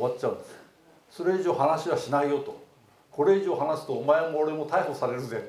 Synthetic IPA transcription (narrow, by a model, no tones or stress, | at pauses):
βat͡ɕaɯ̃nd̪ese̥ | so̞ɾe̞iʑo̞ːhanaɕiβaɕinaijo̞t̪o | ko̞ɾe̞iʑo̞ːɦanasɨ̥t̪o̞ːmae̞moːɾe̞mo̞t̪aiho̞saɾe̞ɾɯ̟ze